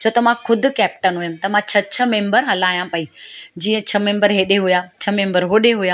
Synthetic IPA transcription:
t͡ɕʰoːt̪ɐmãxʰʊd̪ʱʊ̆kɛːp̚ʈənɦujʊmɪt̪ɐmãt͡ɕʰɐt͡ɕʰɐmẽːmbəɾɦɐlaːjãpɐid͡ʑiːə̃t͡ɕʰɐmẽːmbəɾɦeːɗeɦujaːt͡ɕʰɐmẽːmbəɾɦoːɗeɦujaː

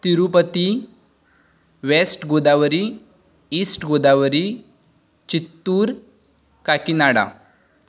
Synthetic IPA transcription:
t̪iɾupət̪i | ʋesʈɡod̪aʋəɾi | isʈɡod̪aʋəɾi | t͡ɕit̪ːuːɾ | kakinaɽa̰

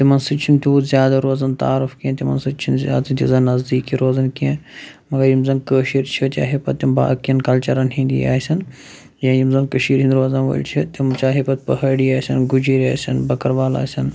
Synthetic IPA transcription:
t̪imɐnsɨt͡ʃʰint̪ʰuuzjaːd̪ɐɾoːzɐnt̪aːɾufkiẽt̪imɐ̰nst͡ʃʰinzja̰ːnt̪ʰʲizɐnnːɐzd̪iːkiɾoːzɐnkiẽ | mɐɡɐɾjimzɐnkəːʃiːɾt͡ʃʰit͡ʃ̪a̰ːɦepɐt̪imba̰ːkijɐnkɐlt͡ʃɐɾɐnɦĩnd̪ḭa̰ːisɐn | jãːjimzɐnkɐʃiːɾɦind̪ɾoːzɐnʋo̰ːḭlt͡ʃʰit̪imt͡ʃaːɦepɐt̪̚pɐɦɐɽiaːsʲɐnɡud͡ʒiɾaːsɐnbɐkɐɾʋaːla̰ːisʲɐn

